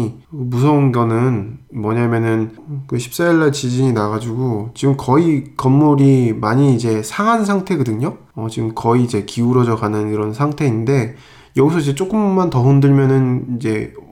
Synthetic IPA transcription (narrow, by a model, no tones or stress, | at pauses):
musʰʌŋɡjʌnɯnmwʌɲamjʌnɯnkɯɕʰi̥p̚s͈aiɭːaɭt͡ɕid͡ʑiɲinaɣad͡ʑuɡot͡ɕiɡɯmkʌikʌmːoɾimaɲiːd͡ʑe̞sʰaŋɦansʰaŋtʰe̞ɡɯdɯɲo | ʌt͡ɕiɡɯmkʌiːd͡ʑe̞kiuɾʌd͡ʑʌɡanɯniɾʌnsʰaŋtʰe̞inde̞ | jʌɡisʰʌid͡ʑe̞t͡ɕ͈ok͈ɯmːantʌɦondɯɭmjʌnɯnid͡ʑe̞